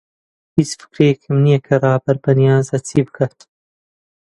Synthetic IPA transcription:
hit͡sfɨ̥kɾeːkʰɨmnijɛkʰɐrˤɑːbɐɾbɐnijaːzɐt͡sʰiːbɨkʰaːt̪

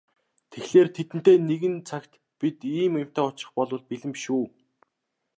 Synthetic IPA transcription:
t̪ʰexɮeːrt̪ʰet̪ɘ̆n̥t̪eːneɣɘ̆nt͡sʰakʲt̪ | pit̪iːmɪm̥ʲt̪æːʊt͡ɕɪ̥̆χpɔɮʊ̆ːɮpiɮɘ̆mʃuː

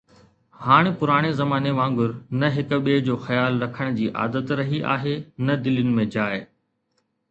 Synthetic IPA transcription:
haːɽ̃epʊɾaːɽ̃ezɐmaːneʋãːŋɡʊɾnɐɦɪkɓeːd͡ʑoːxɐjaːlɾɐkʰəɽ̃d͡ʑiːʔa̰ːd̪ət̪ɾɐɦiʔa̰ːɦenɐd̪ɪlʊnɪ̆mẽd͡ʑaːe

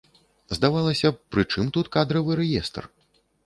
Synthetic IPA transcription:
zd̪avalˠɐsʲɐpɾɨt͡ʂɨmt̪ut̪kad̪ɾɐvɨɾɛjɛst̪r

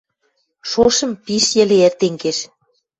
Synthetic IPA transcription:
ʃoʃə̆mpiʃjĕleert̪eŋɡeʃ

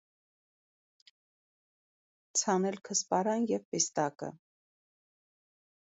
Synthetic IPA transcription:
t͡sʰɑnɛlkʰəspɑɾɑnjɛvpɛst̪ɑkə̰

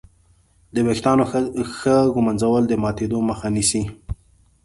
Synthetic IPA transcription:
d̪əwext̪ɑnoxəɡʊmanzawəld̪əmɑt̪ed̪oməxanisi

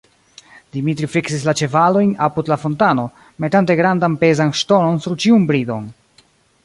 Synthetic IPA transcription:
d̥imitɾifiksis̬lat͡ʃe̞valo̞jnapudlafo̞ntano̞ | me̞tante̞ɡɾandanpe̞zanʃto̞no̞nsuɾt͡ʃiunbɾido̞̰n

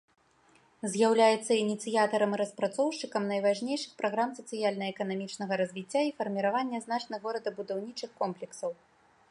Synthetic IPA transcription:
zʲjawlʲajɛt̪sːɐinʲit̪sɨjat̪ɐɾɐmiɾɐspɾat̪sɔwʂt͡ʂɨkɐmnɐjvaʐnʲejʂɨxpɾaɣɾamsɐt̪sɨjalʲnɐɛkɐnamʲit͡ʂnɐɣɐɾɐzʲvʲit͡sʲːaifɐrmʲiɾavanʲːɛzn̪at͡ʂnɨɣɔɾɐd̪ɐbud̪awnʲit͡ʂɨxkɔmplʲɛksɐw

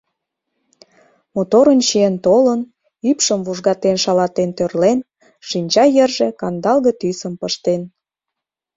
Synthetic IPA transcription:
mot̪oɾənt͡ɕient̪olən | ypʃəmvuʒɣɑt̪enʃɑlɑt̪ent̪ørlen | ʃinʲt͡ɕɑjərʒĕkɑnd̪ɑlɣət̪ysəmpəʃt̪en

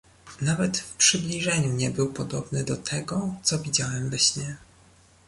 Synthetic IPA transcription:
navɛt̪fpʂɘblʲiʐɛɲumɲɛbɘwpɔd̪ɔbnɘd̪ɔt̪ʰɛɡɔt̪sɔvʲid͡ʑawɛmvɛɕmɛ

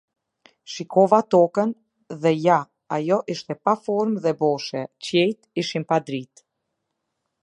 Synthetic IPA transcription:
ʃikɔvat̪ɔkən | ðɛja | ajɔʔiʃt̪ɛpafɔɾmðɛbɔʃɛt͡ɕɛjt̪iʃinpad̪ɾit̪

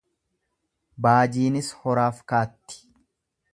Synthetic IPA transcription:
baːd͡ʒiːnɪshɔɾaːfkaːt̪ːɪ̥

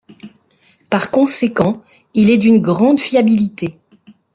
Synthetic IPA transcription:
paʁkɔ̃sekɑ̃ | ilɛd̪ynɡʁɑ̃d̪fiabilit̪e

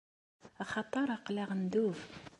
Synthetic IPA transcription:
ɑχɑt̪ˤːɑɾˤɑqlaʁənd̪uv

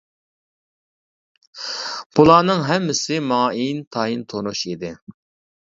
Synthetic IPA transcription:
b̥ulˠɑːnɨŋɦɛmːɪsɪmɑːint̪ʰɑint̪ʰonuʃid̪ɪ

